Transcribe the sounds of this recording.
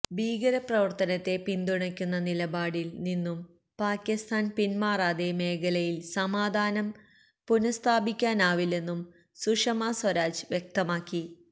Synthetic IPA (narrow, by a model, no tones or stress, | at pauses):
bʱiːɡɐɾɐprɐʋɐrt̪ɐnɐt̪ːe̞pind̪uɳɐkʲːunːɐnilɐbaːɽilninːum | paːkʲːist̪ʰaːnpinmaːraːd̪eme̞ːɡɐlɐjilsɐmaːd̪ʱaːnɐm | punɐst̪ʰaːbikʲːaːnaːʋilːe̞nːum | suʂɐmaswɐɾaːd͡ʑʋjek̚t̪ɐmaːkːi